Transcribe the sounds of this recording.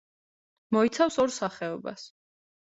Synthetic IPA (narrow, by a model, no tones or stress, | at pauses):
mɔit̪sʰafsɔɾsaχɛɔba̰s